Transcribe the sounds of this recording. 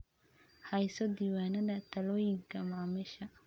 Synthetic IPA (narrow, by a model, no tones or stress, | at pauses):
hɐjsɔd̪iːwaːnɐðɐt̪ʰɐlɔːjɪŋkʰɐmaʕmɪʃɐ